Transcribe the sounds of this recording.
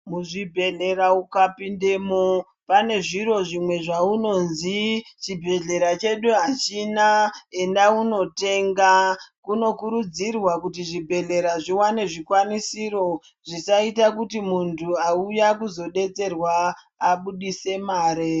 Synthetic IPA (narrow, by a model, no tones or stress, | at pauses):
muʐibʱe̞ɮe̞ɾaukapinde̞mo | pane̞ʐiɾo̞ʐimwe̞ʐauno̞nzit͡ʃibʱe̞ɮe̞ɾat͡ʃe̞ɗuɦat͡ʃinae̞ndauno̞te̞ŋɡakuno̞kuɾud͡zirwak̬utiʐibʱe̞ɮe̞ɾaʐiwane̞ʐikwanisiɾo̞ | ʐisaitakutimuntʰuaujakuzo̞ɗe̞t͡se̞rwaː | ɓuɗise̞maːɾe